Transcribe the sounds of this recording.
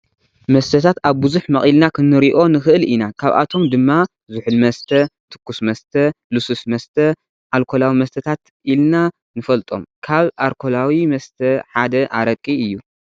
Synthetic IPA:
mɐst̪ʰɐt̪ʰat̪aβbɨzuħmɐχʼilnakʰɨnːɨɾiʔo̞nɨxɨʔɨlinakʰaβʔa̰t̪ʰo̞md̪ɨmːa | zuħɨlmɐst̪ʰɐt̪ʰɨ̥kːusmɐst̪ʰɐlususmɐst̪ʰɐ | ʔalkʰo̞lawimɐst̪ʰɐt̪ʰat̪ | ʔilna | nɨfɐlt̪ʼo̞̰mkʰaβʔalkʰo̞lawimɐst̪ʰɐħad̪ɐʔa̰ɾɐkʼːiɨjːu

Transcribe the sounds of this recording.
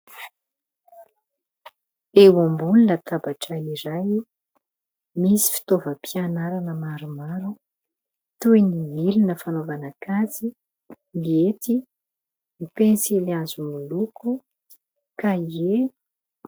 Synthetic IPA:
ewambulunət̪ʰabaʈ͡ʂəiɾaj | misi̥fi̥t̪ovəpianaɾanəmaɾumaɾu | t̪ujnimilinəfanovanakazi | niet̪i | nipensiliazumuluku | kaie

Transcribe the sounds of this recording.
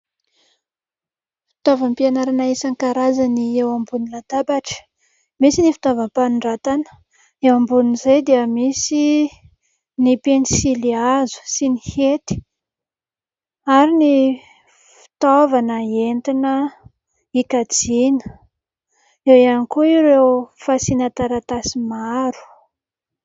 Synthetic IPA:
fi̥t̪ovəmpianaɾanaesaŋkaɾazaniewambunilad̪abaʈ͡ʂə̥ | misinifi̥t̪ovəmpanɳɖ͡ʐat̪anə̥ | ewambunizejd̪iəmisi | nipensiliazu̥sinihet̪i̥ | aɾini | fi̥t̪ovanəent̪inə | ikad͡zinə | ewianikuiɾewfasinat̪aɾat̪asimaɾu̥

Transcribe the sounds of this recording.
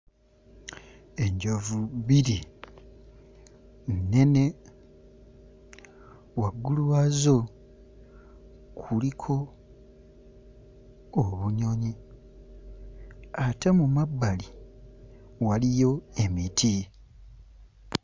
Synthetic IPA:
e̞ɲɟovuβiɾi | ne̞ne̞ | waɡuluwazo̞ | kʰulikʰo̞ | βuɲo̞ɲi | ate̞mumabːali | walijo̞e̞mitʰi

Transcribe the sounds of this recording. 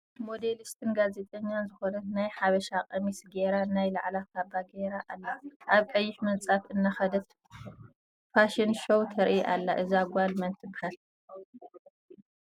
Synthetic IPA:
mo̞d̪elist̪ʰɨnɡaze̞t̪ʼɐɲːanzɨxonɐt̪najħaβɐʃakʼɐmisɡeɾanajla̰ʕlakʰabaɡeɾaʔalːaʔaβkʼɐjːɪħmɨnt͡sʼafɨnːaxɐd̪ɐt̪ | faʃɪnʃowt̪ʰɐɾʔiʔalːaʔɨzaɡʷalmɐnt̪ʰɨbhal

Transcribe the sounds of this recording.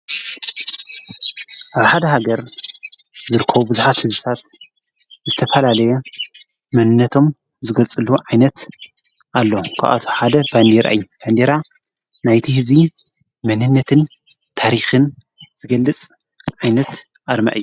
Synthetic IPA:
ʔaβħad̪ɐɦaɡɐɾ | zɨɾɨkʰːɐβubɨzuħat̪hɨzɨt̪ʰat̪ | zɨt̪ʰɐfɐlalɐjɛ | mɐnɨnːɐt̪ʰo̞m | zɨɡɐlt͡sʼɨluʕajnɐt̪ | ʔalːokʰa̰ʔa̰t̪ʰo̥ħad̪ɐband̪eɾa̰ʔɨjːub̥and̪eɾa | najt̪ʰihɨzi | mɐnɨnːɐt̪ʰɨn | t̪ʰaɾixɨn | z̥ɨɡɐlːɨt͡sʼ | ʕajnɐt̪ʔaɾma̰ʔɨjːu

